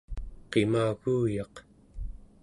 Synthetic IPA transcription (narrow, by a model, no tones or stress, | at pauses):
qe̞maːɣuːjɑq